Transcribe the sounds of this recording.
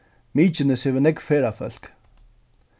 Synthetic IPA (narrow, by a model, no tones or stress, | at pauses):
miːt͡ʃɪnɪshɛvɪnɛkfɛːɾafœl̥k